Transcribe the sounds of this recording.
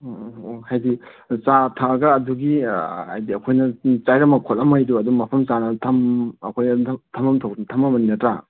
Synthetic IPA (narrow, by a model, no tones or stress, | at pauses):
ohajdi | t͡ʃatʰaɡɐːduɡiha̰jdiɐkʰojnɐt͡ʃajɾɐmɐkʰotɐmajduɐdumɐpʰɐmt͡ʃanɐtʰɐmɐkʰojɐtʰɐmɐmtʰawduntʰɐmɐmɐninɐtɾa